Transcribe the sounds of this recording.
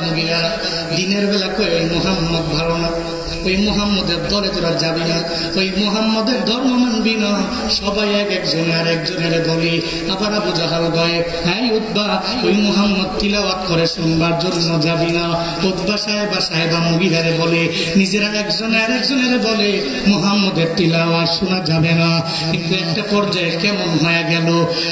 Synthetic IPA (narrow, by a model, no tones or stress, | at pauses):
muɡia | d̪ineɾbelakɔemɔɦamːɔd̪bʱaɾɔna | ojmoɦamːɔd̪eɾd̪ɔlet̪oɾad͡ʒabina | ojmɔɦamːɔd̪eɾd̪ʱɔɾmɔmanbinɔ | sɔbajɛkɛkd͡ʒɔneaɾɛkd͡ʒɔneɾebɔli | abaɾabud͡ʒaɦawɡɔe | ɦãjut̪ba | ojmɔɦamːɔd̪̚t̪ilawat̪kɔɾesɔnbaɾd͡ʒoɾunɔd͡ʒabina | ud̪basaɦebasaɦebamuɡiɦaɾebɔle | nid͡ʒeɾaɛkd͡ʒɔnaɾɛk̚d͡ʒɔneɾebɔle | mɔɦamːɔd̪eɾt̪ilawaɾsunad͡ʒabena | kikuɛk̚ʈapɔɾd͡ʒaekemɔnɦɔjaɡɛlo